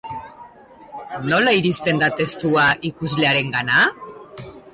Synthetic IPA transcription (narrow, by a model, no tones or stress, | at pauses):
nolaiɾist̪e̞nd̪at̪est̪uaʔikuzleaɾe̞ŋɡana